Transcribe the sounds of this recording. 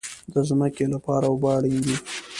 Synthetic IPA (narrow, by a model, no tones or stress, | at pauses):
d̪əzməkelapɑɾaobɑɽiŋɡ̪i